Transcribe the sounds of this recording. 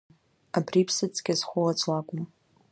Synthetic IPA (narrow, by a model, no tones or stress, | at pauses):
abripʰsɨt͡sʼɡʲazχʷoat͡sʷʼwakʷʼʊm